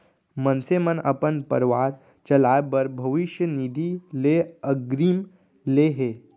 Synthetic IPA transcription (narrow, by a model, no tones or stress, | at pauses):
mənsemənɐ̰pənpə̰ɾʋaːɾ | t͡ʃɐlaːjbəɾbʱɐʋiʃjənid̪ʱileəɡɾiːm | leɦeː